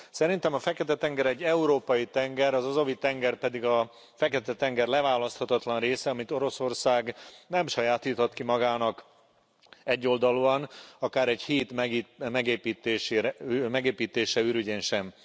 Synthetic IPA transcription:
sɛɾint̪ɛmɒfɛkɛt̪ɛt̪ɛŋɡɛɾɛɟːɛuɾoːpɒjit̪ɛŋɡɛɾɒzɒzovit̪ɛŋɡɛrpɛd̪iɡɒ | fɛkɛt̪ɛt̪ɛŋɡɛrlɛvaːlɒst̪hɒt̪ɒt̪lɒnreːsɛɒmit̪o̞ɾo̞so̞rsaːɡnɛmʃɒjaːt̪iːt̪ot̪kimɒɡaːnɒk | ɛɟːo̞ld̪ɒluɒnɒkaːɾɛɟhiːt̪mɛmɛɡeːpiːt̪eːʃeːɾɛmɛɡeːpiːt̪eːʃɛyɾyɟeːnʃɛm

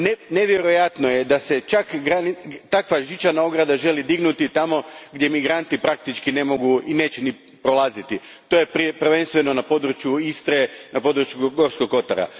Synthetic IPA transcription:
nne̞ʋjeɾojat̪nojed̪ase̞t͡ʃakɡɾant̪akʋaʒit͡ʃanao̞ɡɾad̪aʒe̞lid̪iɡnut̪it̪amo̞ɡd̪jemiɡɾant̪ipɾak̚t̪it͡ʃkine̞mo̞ɡuine̞ːt͡ɕeni | pɾo̞lˠaːzit̪i | t̪o̞jeppr̩ʋe̞nst̪ʋe̞no̞napo̞d̪ɾut͡ʃjuist̪ɾenapo̞d̪ɾut͡ʃjuɡo̞ɾsko̞ko̞t̪a̰ɾa̰

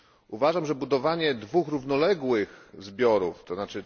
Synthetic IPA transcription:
uvaʐamʐɛbud̪ɔvaɲɛd̪vuxɾuvnɔlɛɡwɘxzbʲjɔɾuft̪ɔznat͡ʂɘ

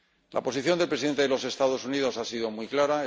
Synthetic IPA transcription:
lʔa̰po̞siθjo̞nd̪elpɾeiðe̞nt̪eðelo̞se̞st̪aðo̞suniðo̞sasiðo̞mwijklaɾae

